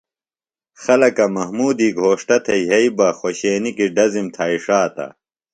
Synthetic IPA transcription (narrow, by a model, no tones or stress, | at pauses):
xɐlɐkɐmɐhmuːd̪iːɡʱoːʂʈɐt̪ʰɐiɦɐibɐxoɕeːnikiɖɐzimt̪ʰaːiʂaːt̪ɐ̰